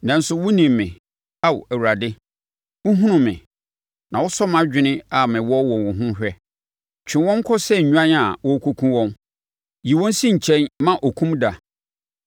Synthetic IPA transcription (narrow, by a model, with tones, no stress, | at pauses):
nã˨n̩˦sʊ˨wʊ̃˦nĩ˨mːɪ̃˨ | a˦wæ˨wu˨ɾa˨dɪ˦ | wʊ̃˦ɦũ˦nʊ̃˨mːɪ̰̃˨ | nã˨wɔ˦sɔ˦mã˦d͡ʑᶣɪ˦nɪ̃˦a˨mɪ̃˨wɔ˦wɔ̃˨wʊ̃˨ɦʊ̃˦hᶣɛ˦ | t͡ɕᶣʰɪ̃˨wɔ̃˦ŋ̩˦kʰɔ˦sɛ˦˨ɲ̩˨ɲᶣu˦ã˦n˦a˨wɔ˦kʰo˦kʰũ˦wɔ̃˦m | ji˨wɔ̃˦n˦sĩ˦ɲ̩˨t͡ɕʰɛ̃˦nmã˦ʔɔ˨kʰũ˦mda˨